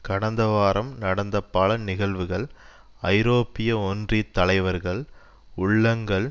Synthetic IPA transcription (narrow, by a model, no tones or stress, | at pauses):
kɐɽɐnd̪ɐʋaːɾɐmnɐɽɐnd̪ɐpːɐɭɐnɪɣɐɭʋɯɣɐɭ | ɐɪɾoːpːɪjɐɔndrit̪ːɐlɐɪʋɐɾɣɐɭ | ʊɭːɐŋɡɐɭ